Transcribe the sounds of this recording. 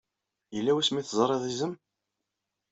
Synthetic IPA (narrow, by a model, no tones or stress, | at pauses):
jəlːæwæsmiθzˤɾˤeðˤizəm